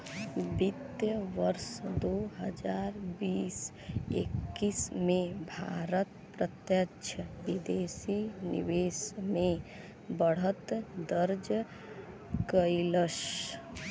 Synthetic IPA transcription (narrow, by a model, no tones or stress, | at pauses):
bit̪jəʋəɾsd̪oɦəd͡ʒaːɾbiːs | ḛkːismẽbʱa̰ːɾət̪pɾət̪jəkʃʰəʋid̪eːsinḭʋeːsmẽ | bəɽ̤ət̪d̪əɾd͡ʒ | kəiləʃ